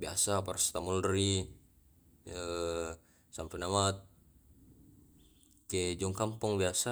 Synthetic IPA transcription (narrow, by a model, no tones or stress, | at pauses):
biasaparast̪amuldɾi | ə | sampenamat̪̚ | ked͡ʒɔŋkampɔŋbiasa